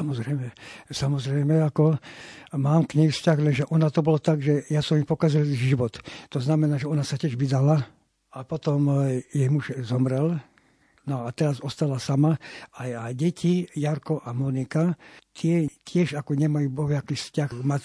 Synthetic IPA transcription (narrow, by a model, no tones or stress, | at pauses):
samɔzɾɛjmɛsamɔzɾɛjmɛakɔ | maːmkɲɛjfscaɣlɛnʒɛʔɔnat̪ɔbɔlɔt̪aɡʒɛjasɔmipɔkazilʒiʋɔt̪ːɔznamɛnaːʒɛɔnasacɪɛʒʋid̪ala | apɔt̪ɔmjɛjmuʒzɔmɾɛl | nɔat̪ɛɾazɔst̪alasamaajajɟɛcʰijaɾkɔʔamɔnikat̪ɪɛcɪɛʒakɔɲɛmajuːbɔɦjakifscaxma